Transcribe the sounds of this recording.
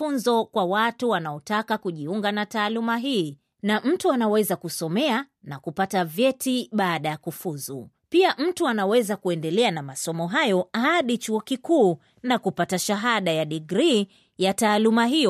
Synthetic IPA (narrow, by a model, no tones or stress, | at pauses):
unzɔkwawatuwanaɔtakakuʄiuŋɡanataːlumaɦiː | nam̩tuanawɛzakusɔmɛa | nakupatavjɛtiɓaːɗajakufuzṵ | piam̩tuanawɛzakuɛndɛlɛanamasɔmɔɦajɔahaɗit͡ʃuɔkikuː | nakupataʃaɦaɗajaɗiɡɾi | jataːlumaɦijɔ